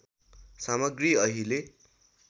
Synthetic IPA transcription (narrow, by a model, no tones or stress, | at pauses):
samʌɡriʌɦile